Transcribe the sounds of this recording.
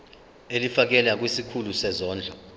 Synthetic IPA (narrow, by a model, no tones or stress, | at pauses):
elifak̬ɛlak̬wisikʰulusɛzɔːnd͡ɮʱɔ